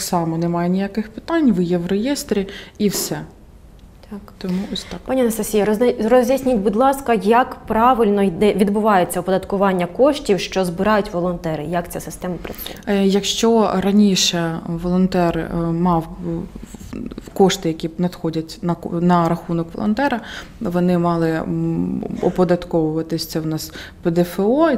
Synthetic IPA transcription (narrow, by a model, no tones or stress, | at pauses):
t̪ɑksɑmɔnɛmɑjenʲijakɪxpɪ̥t̪ɑnʲʋɪjɛʋrejɛst̪ɾʲiiwsɛ | t̪kt̪ɔmuɔsʲt̪ɑkpɑnʲiɐnɐst̪ɐsʲijɐɔzʲdʲisʲnʲitʲbʊd̪ʲlˠɑskɐjɐkpɾɑʋɪlʲnɔd̪ɛʋʲid̪bʊʋɑjet͡sʲːɐwpɔd̪ɐt̪kʊʋɑnʲːɐkɔʃtʲiwʃt͡ʃɔzbɪɾɑjʊtʲʋɔlˠɔnt̪ɛɾɪ̰jɐkt͡sʲasɪ̥st̪ɛmɐpɾɐṵjɐkʃt͡ʃɔɾɐnʲiʃɛʋɔlˠɔnt̪ɛrmɑw | kɔʃt̪ɪjɐkʲinɐd̪xɔdʲɐtʲnɐnɐɾɐxunɔkʋɔ̰lˠɔ̰nt̪ɛɾɐʋɔnɪmɑlˠɪ | ɔpɔd̪ɐt̪kɔʋʊʋɐt̪ɪsʲɐwnɑsped̪ɛfeɔ